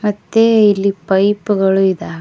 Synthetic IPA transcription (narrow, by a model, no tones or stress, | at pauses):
mɐt̪ːeilːipɐjpuɡɐɭuid̪aː